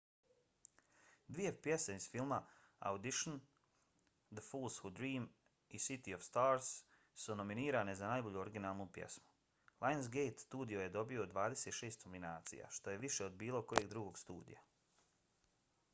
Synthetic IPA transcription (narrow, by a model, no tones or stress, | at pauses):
d̪ʋije̞pje̞seiz̥filˠmaa̰wd̪iʃon | d̪əfuːlˠshud̪ɾiːm | isit̪iofst̪aːɾsː | uno̞miniːɾane̞zanaːjbo̞ʎuoɾiɡinaːlˠnupjḛsmu̥ | lˠʔajns̬ɡejt̪st̪uːd̪ioje̞d̪o̞bio̞d̪ʋaːd̪e̞se̞ːt̪ʃe̞ːst̪nominaːt̪sḭja̰ʃt̪o̞je̞ʋiʃe̞o̞d̪biːlˠo̞ko̞je̞ɡd̪ɾuɡo̞ɡst̪ṵːd̪ḭja